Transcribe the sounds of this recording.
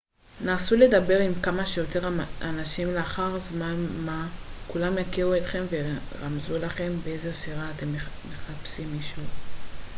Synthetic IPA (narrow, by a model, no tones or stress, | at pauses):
naːsule̞d̪abe̞ʁimkamaʃejo̞t̪e̞ʁanaʃimleaχaʁzmanmakulamjakiʁuet̪χe̞mveʁamzulaχe̞mbeejzesiʁaːt̪e̞mme̞χapsimːiʃu